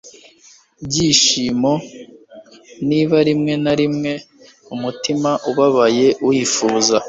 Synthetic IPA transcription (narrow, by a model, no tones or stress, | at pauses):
bɟiːʃiːmo̞ | niːβaɾimŋe̞naɾimŋe̞ | umutimaʔuβaβaje̞wiːfuːza